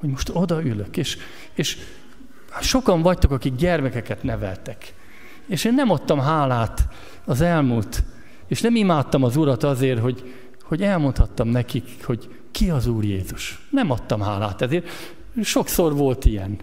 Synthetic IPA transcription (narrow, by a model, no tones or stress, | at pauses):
ho̞ɟmo̞ʃt̪o̞d̪ɒyløkeːʃ | eːʃ | ʃo̞kɒɱvɒct̪o̞kɒkiɡɟɛrmɛkɛkɛt̪nɛvɛ̰lt̪ɛk | eːʃeːnːɛmɒt̪ːɒmɦaːlaːt̪ | ɒzɛlmuːlt̪ | eːʃnɛmimaːt̪ːɒmɒzuɾɒt̪ɒzeːrɦo̞ɟ | ho̞ɟɛlmont̪hɒt̪ːɒmnɛkik | ho̞ɟ | kiɒzuːrjeːzuʃ | nɛmɒt̪ːɒmɦa̰ːla̰ːt̪ɛzeːr | ʃo̞kso̞rʋo̞lt̪ijɛ̰n